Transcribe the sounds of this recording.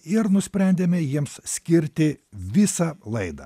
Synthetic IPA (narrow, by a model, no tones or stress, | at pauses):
ɪɾnʊsʲpʲɾʲɛnʲd̪ʲemʲɛjiɛmssʲkʲɪɾʲt̪ʲɪʋʲɪsɐlˠɐɪd̪ɐ̰ː